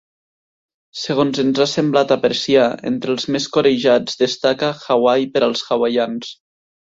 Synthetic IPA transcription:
seɣ̞onzənzasemblat̪apɾesiaḛnt̪ɾəlˠzmeskoɾeʒad͡zd̪əst̪akəxawajpəɾəlˠsxawajans

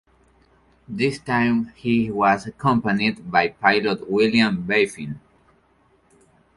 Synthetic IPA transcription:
ðɪstãjmhiwʌzakʰʌ̃mpanid̪bajpʰajlot̪wɪljãmbeɪfĩn

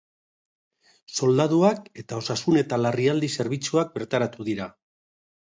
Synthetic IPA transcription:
so̞ld̪aðuake̞t̪ao̞sasune̞t̪alariald̪ise̞ɾβit͡suak̚be̞ɾt̪aɾat̪uðiɾa

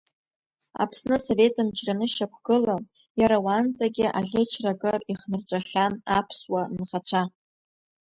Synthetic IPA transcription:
a̰pʰsnɨso̞ve̞tʰʼɨmt͡ʃʰʼranɨʃakʷʰɡ̥ɨla | jaɾawant͡sʼaɡʲɪʔaɮʲet͡ʃʰrakʼɨriχnɨrt͡sʷʼaχʲanapʰswanχat͡sʷʰa

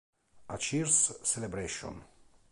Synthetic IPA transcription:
ʔat͡ʃiɾsselebɾeʃɔ̰̃n

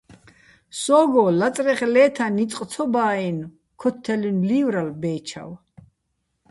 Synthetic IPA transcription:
sɔːɡɔlat͡s̪ʼɾɛχlɛːt̪ʰanit͡s̪ʼq̪ʼʰɔbaːin | kʰɔt̪ʰːɛlinlivɾalbɛːt͡ʃʰa̰w

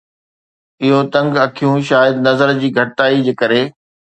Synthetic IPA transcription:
ɪɦot̪ɐ̃ŋɡɐkʰijũʃaːjəd̪nɐzəɾd͡ʑiːɡʱɐʈɪtaːid͡ʑekɐɾeː

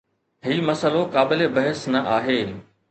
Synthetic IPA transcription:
ɦiːmɐsəlokaːbɪlebɐɦəsnɐʔaːɦeː

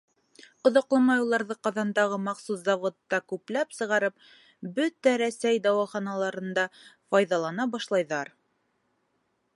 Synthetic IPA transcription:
ŏðɑqlˠɑmɑjulˠɑɾðɤqɑðɑnd̪ɑʁɤmɑqsuszɑvot̪ːɑkʉplæpsɤ̆ʁɑɾɤp̚ | bɵt̪æɾæsæjd̪ɑwɑχɑnɑlˠɑɾɤ̆nd̪ɑfɑjðɑlˠɑnɑbɑʃlˠɑjðɑɾ

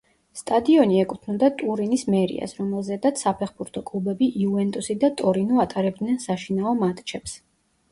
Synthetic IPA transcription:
st̪ʼad̪iɔniɛkʼut̪ʰnund̪at̪ʼuɾinismɛɾḭa̰sɾɔmɛlˠzɛd̪at̪sapʰɛχbuɾt̪ʰɔkʼlˠubɛbiʔiuvɛnt̪ʼusid̪at̪ʼɔɾinuat̪ʼaɾɛb̚d̪nɛnsaʃinaɔmat̪ʼt͡ʃʰɛps

